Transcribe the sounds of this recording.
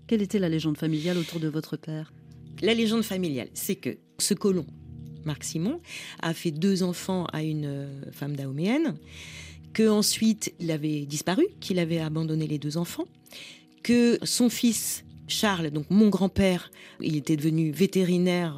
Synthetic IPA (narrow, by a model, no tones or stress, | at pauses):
kʲɛlet̪ɛlaleʒɑ̃d̪familjalot̪uʁd̪əvɔt̪χəpɛːʁ | laleʒɑ̃d̪familja̰lsɛkə̰ | səkɔlɔ̃maʁksimɔ̃a̰fɛd̪øzɑ̃fɑ̃a̰ynøfamd̪aɔmeɛn | kəɑ̃sɥit̪ilavɛd̪ispaʁykʰilavɛabɑ̃d̪ɔneled̪øzɑ̃fɑ̃ | kəsɔ̃fisʃaʁld̪ɔ̃kmɔ̃ɡʁɑ̃pɛʁḭlet̪ɛd̪əvənyvet̪eʁinɛʁ